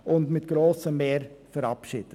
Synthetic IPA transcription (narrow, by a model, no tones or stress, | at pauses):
ʔʊnt̪mɪt̪ɡ̥ɾoːsəmeːɾfɔɾɑpʃɪ̰ːd̪̥ə